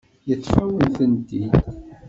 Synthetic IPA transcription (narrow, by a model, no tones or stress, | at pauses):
jət͡sːfæwənθənd̪id